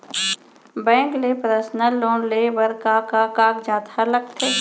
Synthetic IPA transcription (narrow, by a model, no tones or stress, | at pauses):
bɛ̃ːŋklepɾəsnəlːoːnleːbəɾkakakaːkd͡ʒaːt̪ʰalək̚t̪ʰeː